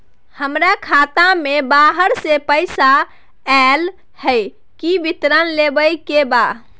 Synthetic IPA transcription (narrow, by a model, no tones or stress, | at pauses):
həmɾakʰat̪amebaɦəɾsepəjsa | ɛl | həj | kibit̪ɾənlebəjkeba